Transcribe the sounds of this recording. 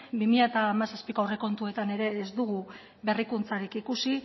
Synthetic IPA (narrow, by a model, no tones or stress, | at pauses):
bimiʎat̪aːmasaspikoawre̞ko̞nt̪ue̞t̪ane̞ɾe̞ːzd̪uɣu | βe̞rikunt͡saɾikikusi